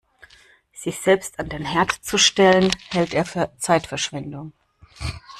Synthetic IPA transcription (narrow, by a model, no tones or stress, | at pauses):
z̥ɪçz̥ɛlpstandeːnhɛɐtt͡suʃtɛlənhɛlteːɐfyːɐt͡saɪtfɛɐʃv̥ɛndʊŋ